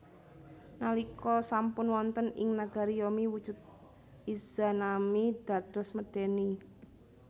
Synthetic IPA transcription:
nalikɔsampʊnwɔnt̪ənɪ̰ŋnaɡ̥a̤ɾijɔmiwud̥ʒ̥ʊ̤d̪̚ | iz̥a̤namid̪̥ä̤d̪̥ɔ̤sməɖ̥ɛ̤ni

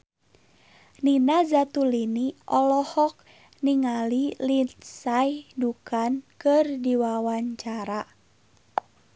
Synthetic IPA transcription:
ninazat̪uliniʔɔlɔhɔk̚ | niŋalilit̪sajdukankɨrdiwawaɲt͡ʃaɾa

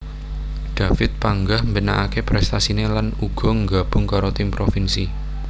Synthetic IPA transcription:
d̥a̤fɪt̪̚paŋɡahmbəna̰ʔakepɾɛst̪asinelanuɡ̥ɔ̤ŋɡab̥ʊŋkaɾot̪ɪmpɾofinsi

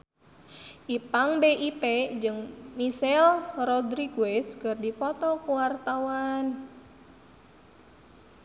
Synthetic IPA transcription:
ʔipaŋbeʔiped͡ʒɨŋmisɛlrɔd̪ɾiɡuwɛskərdipɔt̪ɔkuwart̪awan

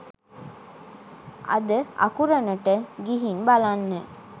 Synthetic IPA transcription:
ʔɐ̰d̪əɐ̰kuɾɐnəʈəɡiɦinbalanːə

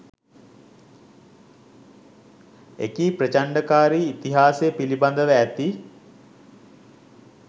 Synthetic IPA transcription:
ḛkiːprət͡ʃaɳɖəkaːɾiːt̪iɦaːsejpiliband̪əʋæːt̪i

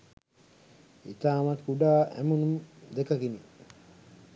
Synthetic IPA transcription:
ḭt̪aːmat̪kuɖaːʔæ̰munumd̪ekakini

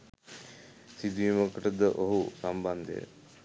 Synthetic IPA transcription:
sid̪iʋiməkəʈəd̪əʔoɦusamband̪ḛ

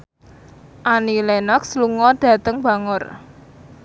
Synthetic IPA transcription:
ʔanilɛnɔksluŋɔd̪̥ä̤t̪əŋba̤ŋʊr

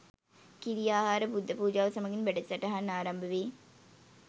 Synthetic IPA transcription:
kiɾijaːɦaːɾɐpud̪ʱːɐpuːd͡ʒaːʋɐsɐmɐɡinʋeɽɐt͡ɕːɐʈːɐɦɐnaːɾɐmbʱɐʋi

